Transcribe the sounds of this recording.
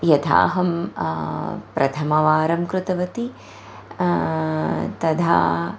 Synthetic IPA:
jɐt̪ʰa̰ːɦɐm | pɾʔɐ̰t̪ʰɐmɐʋaːɾɐmkɾɨt̪ɐʋɐt̪i | t̪ɐd̪ʱa̰ː

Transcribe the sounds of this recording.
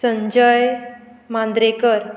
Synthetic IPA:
sə̃ɲd͡ʑəj | mãnd̪ɾekəɾ

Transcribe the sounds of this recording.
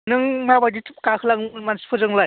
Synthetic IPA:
nɯŋmabajditʰɯp̚kakʰɯlaŋmansi̥pʰɯzɯŋlaj

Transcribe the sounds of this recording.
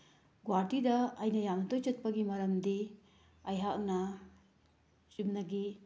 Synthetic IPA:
ɡwaɾdidɐɐjnɐjamnɐtojt͡ʃɐt̚pɐɡimɐɾɐmdi | ɐjɦak̚nɐ | t͡ʃumnɐɡi

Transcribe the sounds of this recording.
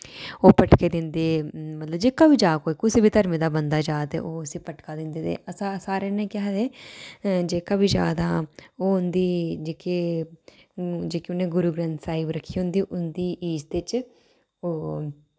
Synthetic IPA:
oːpəʈkeːd̪ɪnd̪eːmət̪ləbd͡ʒeːkaːbiːd͡ʒaːkoːiːkʊseːbiːt̪əɾmẽːd̪aːbənd̪aːd͡ʒaːt̪ḛːʔoːəsĩːpəʈkaːd̪ɪnd̪eːt̪ḛːəsãsaːɾeːnẽːkɪɦad̪eː | d͡ʒeːkaːbiːd͡ʒa̰ːd̪aːoːʊnd̪iːd͡ʒeːkeː | d͡ʒeːkiʊnẽːɡʊɾuːɡɾɛ̃nt̪saːiːbɾəkʰːiːɦʊ̃nd̪iːʔʊnd̪iːʔiːzd̪eːt͡ʃ | oː

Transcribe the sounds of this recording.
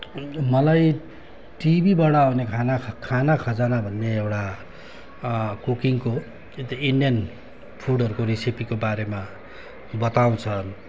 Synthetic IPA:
mʌlaj | ʈibibaɽʌnekʰanakʰanakʰʌd͡zanabʱʌnːeewʈa | kukiŋko | et̪iinɖijʌn | pʰuɽʌɾukoɾisipikobaɾema | bʌt̪aw̃t͡sʰʌ

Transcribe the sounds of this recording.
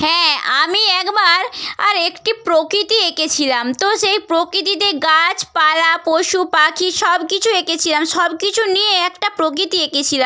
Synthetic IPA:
hɛ̃amiɛkbaɾa̰ɾekʈipɾokɾit̪ieket͡ɕʰilamt̪oʃejpɾokɾit̪̬it̪̬eɡat͡ɕpalapoʃupakʰiʃɔbkit͡ɕʰueket͡ɕʰilamʃɔbkit͡ɕʰunijeɛkʈapɾokɾit̪ieket͡ɕʰilam

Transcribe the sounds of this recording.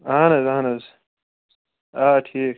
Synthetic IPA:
anɐzaɦnɐz | aːʈʰiːk̚

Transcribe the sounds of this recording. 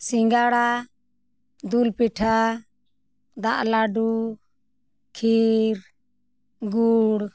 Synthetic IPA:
siŋɡaɽa | d̪ulpiʈʰa | d̪aʔlaɖu | kʰiɾ | ɡuɽ

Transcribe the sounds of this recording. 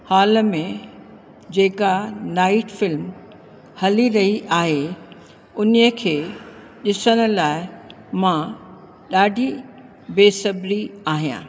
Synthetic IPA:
haːləmẽ | d͡ʑeːkanaːɪʈfɪlm | hɐliɾɐɦiʔaːɦe | ʊniəkʰeː | ɗɪsəɽ̃ə̆laːɪ | mã | ɗaːɖʱi | beːsɐbʱɾiaːɦijã̰ː

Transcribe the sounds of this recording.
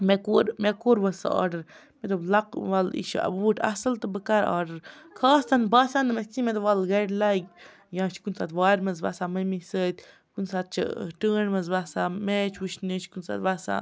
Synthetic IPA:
mekoːɾmekoːɾʋɐsa̰ːɾɖɐɾ | met̪ɐblɐqʋalḭʃɐ̰buːʈʰʲɐ̰sɐlt̪ɨbəkaɾa̰ːɾɖəɾkʰaːst̪ʰɐnbaːsaːnd̪ɨmɐsʲt͡simet̪̬ɐʋalɡɐlaɡ | jãːt͡ʃʰkunsaːt̪ʋaːɾmɐzba̰saːmɐmisəːt̪̚ʲ | kunsaːt̪̚t͡ʃʰɐ̰ʈəːɳmɐzbaːsaːmet͡ʃʰuʃnət͡ʃʰkunsa̰ːt̪ʋasa̰ː

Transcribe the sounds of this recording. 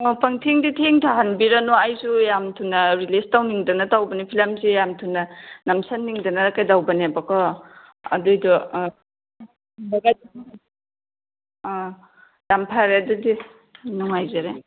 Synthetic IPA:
ɔpɐŋtʰeŋditʰeŋtʰaɦanbiɾanɔajzujamtʰunɐɾilestawniŋdɐnɐtawbɐnipʰilamzijamtʰunːɐnɐmsɐnːiŋdɐnɐɾɐkajdawbɐnebɐkɔ | ɐ̰dujdɔ | ɐɡajd | jampʰaɾeɐdudi | nuŋajzaɾe

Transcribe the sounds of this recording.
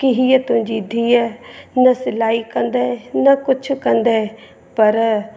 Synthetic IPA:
kɪɦiɛt̪ʊd͡ʒiːd̪ʱiɛːnəsɪlaːikənd̪ɛːɛnakʊt͡ʃʰkənd̪aɛ | pəɾ

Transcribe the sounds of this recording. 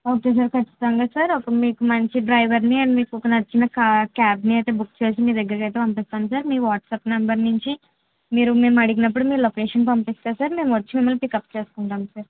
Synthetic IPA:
o̞ːke̞ːs̬aːɾkɐʈt͡ʃːi̥t̪ɐŋɡaːsaːɾɔkɐmiːkumɐɲt͡ʃiɖɾɐjʋɐɾniɐɳimiːkuɔkɐnɐɾt͡ʃinɐkkaːbniɐjt̪e̞ːbukːt͡ʃe̞ːsimiːɾd̪ɐɡːɐɾkɐjt̪eːpɐmpist̪aːnusaːɾmiːʋaːʈsɐːpnɐmbɐɾnuɲt͡ʃi | miːɾume̞ːmɐɽiɡinɐp̬ːuɽumiːɾulokeːʂɐnpɐmpist̪aːsaːɾme̞ːmʋɐt͡ʃːimimːɐlːpikɐpt͡ʃe̞ːsu̥kuɳʈaːmsaːɾ

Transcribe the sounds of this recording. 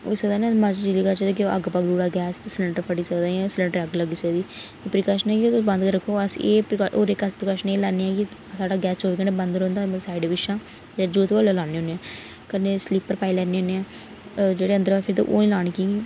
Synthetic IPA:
o̰ːsəkd̪aːnẽmat͡ʃd͡ʒiliːkat͡ʃəd̪ekeəɡpaɡluːɽaːɡɛːssləɳʈəɾpʰəɽiːsəkd̪ãːsləɳʈəɾəɡləɡiːsəɡd̪iː | eːpɾəkaːʃənɛːɡiobə̃nd̪kəɾːəkʰːoːəsḭeːpːʔoːɾɪkəspɾəkaːʃəneːlaːneɛːɡisaːɖaːɡɛːsoːʋeːkəɳeːbənd̪ɾõːnd̪asaːɪɖʋɪʃãː | d͡ʒəːɾd͡ʒuːt̪ʋoːlelaːneːõːneːɛ̃ː | kəneːsliːpːəɾpaːilɛːneːoːneɛː | d͡ʒeːɽeːənd̪əɾʋaːpʰɪɾt̪ḛʔo̰ːnĩːlaːɽ̃ikiːɡiː

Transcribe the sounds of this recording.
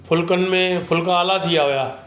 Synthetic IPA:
pʰʊlkənmẽpʰʊlkãːlat̪ʰɪjaɦojaː

